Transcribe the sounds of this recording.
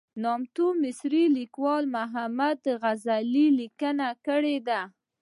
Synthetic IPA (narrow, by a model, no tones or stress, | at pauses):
nɑmt̪umɪsɾilikwɑlmaɦamad̪ɣazalilikənakəɽed̪a